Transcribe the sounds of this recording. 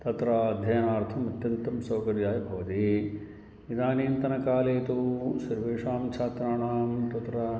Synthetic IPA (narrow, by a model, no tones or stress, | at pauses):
t̪ɐt̪ɾɐɐd̪ʱjɐjɐnaːɾt̪ʰɐmɐt̪jɐnt̪ɐmsɐːkɐɾjaːjɐbʱɐʋɐt̪i | id̪aːniːnt̪ɐnɐkaːleːt̪usɐɾʋeːʂaːmt͡ʃʰaːt̪ɾaːɳaːmt̪ɐt̪ɾɐ